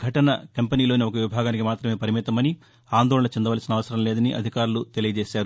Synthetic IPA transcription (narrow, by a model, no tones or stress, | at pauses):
ɡʱɐʈɐnɐ̰kɐmpeniːlo̞ːniokɐʋibʱaːɡaːnikimaːt̪ɾɐmeːpɐɾimit̪ɐmɐni | aːnd̪ɔːɭɐnɐt͡ʃind̪ɐʋaːlɐsinɐʋɐsɐɾɐmleːd̪ɐniʔɐ̰d̪ʱikaːɾulut̪e̞lijɐd͡ʒeːʃaːɾu